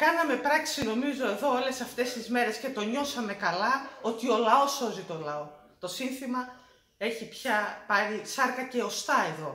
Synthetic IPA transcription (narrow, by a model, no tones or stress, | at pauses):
kɐnɐme̞pɾɐksino̞mizo̞e̞ðo̞ole̞sɐft̪e̞st̪izme̞ɾe̞sce̞t̪o̞ɲo̞sɐme̞kɐlɐo̞t̪io̞lɐo̞so̞zit̪o̞lɐo̞ | t̪o̞sinθimɐ | e̞çipçɐpɐɾisɐɾkɐce̞o̞st̪ɐe̞ðo̞